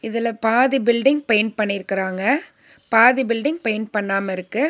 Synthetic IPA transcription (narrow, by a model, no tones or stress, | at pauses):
ɪðɪlɐpaːðɪbɪlɖɪŋɡ̚pɐjnpɐɳːɪɾɯkːɪɾaːŋɡɐ | paːðibɪlɖɪŋɡ̚pɐjnpɐɳːaːmɐɪɾɯkːɯ